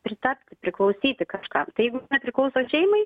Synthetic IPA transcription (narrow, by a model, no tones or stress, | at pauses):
pʲɾʲɪt̪ɐpʲt̪ʲɪpʲɾʲɪklˠɐʊsʲiːt̪ʲɪkɐʃkɑːt̪ɐɪjɛɪɡʊnʲɛpʲɾʲɪklˠɐʊsoːʃʲɛɪmɐɪ